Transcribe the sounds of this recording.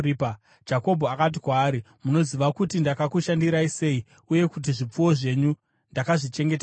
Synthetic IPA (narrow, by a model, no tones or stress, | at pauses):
ipa | d͡ʒako̞bʱoakat̬ikwaːɾi | muno̞ziʋakutindakakuʃandiɾaise̞i | uje̞kut̬iʐip͡fuwo̞ʐe̞ɲu | ndakaʐit͡ʃe̞ŋɡe̞ta